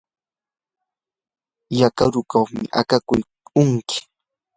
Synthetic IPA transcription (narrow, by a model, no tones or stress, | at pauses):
jakaɾʊkaχmɪ̰ʔa̰kakʊj | ʊŋkɪ̥